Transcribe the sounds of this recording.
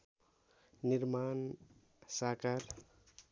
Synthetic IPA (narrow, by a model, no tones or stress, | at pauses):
niɾman | sakaɾ